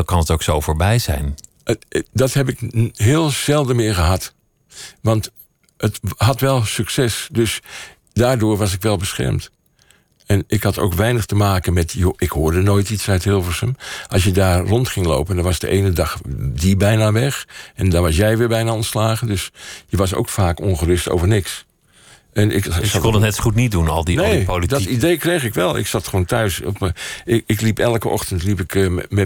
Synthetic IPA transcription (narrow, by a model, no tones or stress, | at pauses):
kɑnətoksowfoːɹbɛjzɛ̰jn | dɑthɛp̬ɪkɦɪːəlˠz̥ɛlˠdəmɪːəɦɑt | ʋɑnt | ʔəthɑtʋɛlˠsyksɛsdøs | daːɹdʊːɹʋɑsɪkʋɛlˠbəsxɛ̰ɹmt | ɛnɪkhɑto̰wkʋɛjnəxtəmaːkənmɛtjoʔɪkhoːɹdənoːjtitsœɥtɦɪlˠfəsəmʔɑlˠsjədaːrrɔntχɪŋlo̰wpəndɔʋɑsdə̰ʔeːnədɑxdibɛjnaʋɛxɛndɔnʋɑsjɛjʋɪːbɛjnaɔntslaːɣəndøsjəʋɑs̬o̰ːkfaːkɔnχərʏsto̰ːvərnɪks | ʔɛnɪ̰kskɔnənɛtsχutnit̚dunɔlˠdineolidɔtidejkrejxɪkʋɛlˠɪ̰ksɑtxəʋoːntœɥsɔpɪklipɛlˠkəɔ̰xtəntlipɪkmɛ